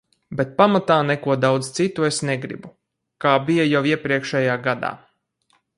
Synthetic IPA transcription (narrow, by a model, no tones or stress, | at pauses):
bet̪̚pamat̪aːnɛkuɔd̪awd̪z̥t̪sit̪uesnɛɡɾḭbu | kaːbijajawiɛpɾiɛkʃɛjaːɡad̪a̰ː